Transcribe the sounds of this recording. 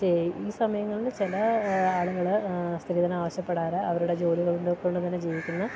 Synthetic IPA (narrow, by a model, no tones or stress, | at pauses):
t͡ɕeiiːsɐmɐjɐŋːɐɭilet͡ɕilɐaːɭuɣɐɭst̪ɾiːd̪ɐnaːʋɐɕjɐpːe̞ɽaːɾɐɐʋɐɾuɽe̞d͡ʑo̞ːliɣɐɭuɳɖekːoɳɖɨt̪ɐnːed͡ʑiːʋikʲːunːɐ